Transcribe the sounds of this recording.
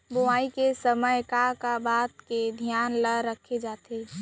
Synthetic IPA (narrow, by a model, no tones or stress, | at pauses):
bʊaːikesəməjkakabaːt̪ked̪ʱjaːnləɾəkʰed͡ʒaːt̪e